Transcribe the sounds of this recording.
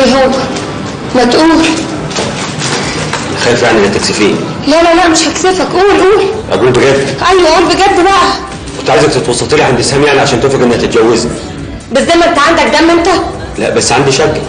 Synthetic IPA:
ɦowːæ | mæt̪ʔuːl | æxæːfjaʕniʔenːækt̪eksefiːn | lælælæʔmeʃhæksefækʔuːlʔuːlʔæ̰ɡuːlbeɡæd̪ːʔæjwæʔæʔuːlbeɡæd̪ːbæʔæ | kont̪ʕajezæk̚t̪et̪wɑsˤːɑlt̪eliʕħæːnb̪t̪eshæmjaʕniʕaʃæːnt̪ofækʔenːæhæt̪et̪̚ɡæwːezi | bæsːæjmæʔent̪æʕand̪æk̚d̪æmːent̪æ | læ̰ʔbæsːʕand̪iʃækː

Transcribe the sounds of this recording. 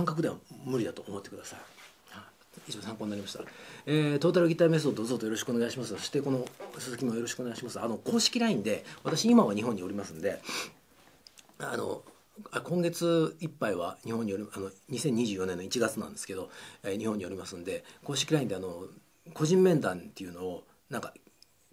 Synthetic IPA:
kãŋkak̬ɯd̪e̞βamɯ̟ɾʲid̪at̪o̞omo̞t̪ːekɯd̪asai | ha | it͡ɕibasãŋkoɲinaɾʲimaɕi̥t̪a̰et̪o̞ːt̪aɾɯ̟ɡʲit̪ːaːme̞s̬od̪ozot̪ojo̞ɾo̞ɕi̥kɯoneɡaiɕimasɨso̞̥ɕi̥t̪e̞ko̞no̞sɨzɨkʲimojo̞ɾo̞ɕi̥kɯonaiɕimasɨa̰no̞ko̞ːɕi̥kʲiɾaĩnd̪e̞βat̪aɕiimaβaɲ̟iɦoɲ̟ːio̞ɾimasɨ̃nd̪e̞ | a̰no̞̰ | akõ̞ŋɡe̞t͡sɨipːaiβa̰ɲ̟ihõ̞ɲ̟ːio̞ɾʲiano̞ɲ̟isẽ̞ɲ̟ːiʑɨːjo̞nẽ̞nːoit͡ɕiɡat͡sɨnã̰nd̪esɨ̥ke̞d̪o̞ɲ̟ihõɲ̟ːio̞ɾʲimasɨ̃nd̪e̞ko̞ːɕi̥kʲiɾaĩnd̪e̞ano̞ | ko̞ʑĩmmẽ̞nd̪ãnt̪ːe̞iɯ̟no̞ː | nãŋka

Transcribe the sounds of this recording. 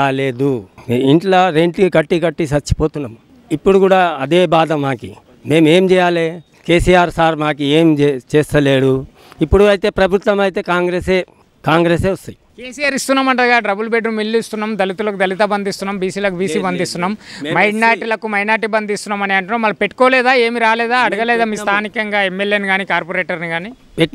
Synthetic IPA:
aːle̞ːd̪uiɳʈlaːɾeɳʈikɐʈːikɐʈːisɐt͡ʃːi̥poːt̪unːaːm | ipːuɽukuːɽaːɐd̪eːbaːd̪ɐmːaːkḭ | me̞ːmeːmt͡ʃɛːjaːleː | keːsiːaːɾsaːɾmaːkieːmd͡ʒt͡ʃeːst̪ɐleːɽu | ipːuɽuɐjt̪e̞ːpɾɐbʱut̪ʋɐmɐjt̪e̞ːkaːŋɡɾeːseː | kaːŋɡɾeːseːɐst̪ɐjikeːsijaːɾist̪unːaːmɐɳʈɐɡaːɖɾɐbulbeɖnumilːist̪unːaːmd̪ɐlit̪ulɐkud̪ɐlit̪ɐbɐnd̪ist̪unːaːmbiːsiːlɐkubiːsiːbɐnd̪ist̪unːaːmmɐjɖnaːɾʈilɐkumɐjnaːɾʈibɐnd̪ist̪unːaːmɐniɐɳʈunaːmɐlːpe̞ʈːkɔːlɛːd̪aːe̞ːmiɾaːlɛːd̪aːɐɽɐɡɐleːd̪aːmiːst̪ʰaːnikɐŋɡaːemːeljeːniɡaːnikaːɾpoɾeːʈɐɾniɡaːniː | peʈ

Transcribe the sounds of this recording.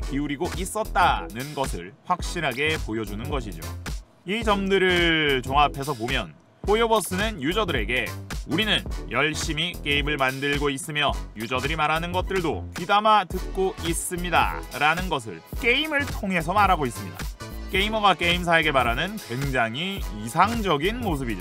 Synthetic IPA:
kiuɾiɡoʔis͈ʌt̚t͈anɯnɡʌsʰɯ̰ɭɸwak̚ɕ͈iɾɦaɡe̞pojʌd͡ʑunɯnɡʌɕ̬ʰid͡ʑo̰ | it͡ɕʌmdɯɾɯt͡ɕoŋapʰe̞s̬ʰʌpomjʌ̰n | pojobʌs͈ɯnɯnjud͡ʑʌdɯɾe̞ɡe̞uɾinɯnjʌɭɕ͈imik͈e̞imɯɭmandɯɭɡois͈ɯmjʌjud͡ʑʌdɯɾimaɾanɯnɡʌt̚t͈ɯɭdo̰pidamatɯt̚k͈ois͈ɯmɲida̰ɾanɯnɡʌs̬ʰɯ̰ɭk͈e̞imɯɭtʰoŋɦe̞s̬ʰʌmaɾaɡois͈ɯmɲida̰k͈e̞imʌɡak͈e̞ims̬ʰaeɡe̞maɾanɯnkwe̞ŋd͡ʑaŋiisʰaŋd͡ʑʌɡinmos̬ʰɯbid͡ʑo

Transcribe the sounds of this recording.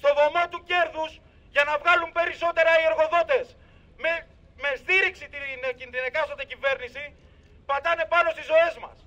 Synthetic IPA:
st̪o̞ðo̞mɐt̪uce̞ɾðus | ʝɐnɐvɣɐlumpe̞ɾiso̞t̪e̞ɾɐie̞ɾɣo̞ðo̞t̪e̞s | me | me̞st̪iɾiksit̪incind̪ɾinekɐsod̪ecive̞ɾnisi | pɐt̪ɐne̞pɐno̞st̪izo̞e̞zmɐ̰s

